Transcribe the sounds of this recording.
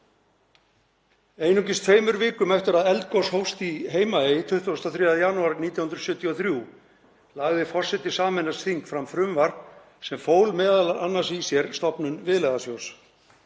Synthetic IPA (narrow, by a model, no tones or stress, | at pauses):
eːjnuŋcɪst̪fejmʏɾvɪːkʏmɛft̪ɪɾaðɛlt̪̚kowshowst̪iɦeːjmaet̪ʰʏht̪ust̪aθɾiːaðɪjanuaɾniːt̪jahʏnɾsʏːt̪jiɔθɾju | laɣðɪfɔr̥sɛt̪ɪsaːmɛnasθiŋkfɾamfɾʏmvaɾ | sɛmfoːwlmɛːðalaanːasisjɛɾst̪ɔpnʏnvɪðlɛɣðasjows